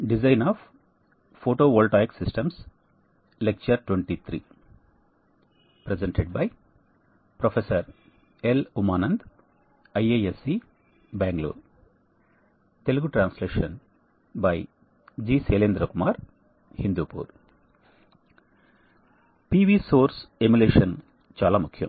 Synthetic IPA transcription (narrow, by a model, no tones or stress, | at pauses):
ɖizaɪnaːʋ | foːʈoːʋoːlʈaːjiksisʈɐ̃ms | lek̚t͡ʃɐɾʈwʋeɳʈit̪ʰɾḭː | pɾezeɳʈeɖ̚bɐj | pɾofesɐɾ | elumaːnɐ̃nd̪ | ɐjeesi | baːŋɡlo̰ː | t̪eluɡuʈɾãːnsleːʂɐn | bɐj | d͡ʒiːseːleːnd̪ɾɐkumaːɾ | hind̪uːpṵːɾ | piːʋiːsoːɾsemileːʃɐn | t͡ʃaːlaːmukʰːjɐ̰̃m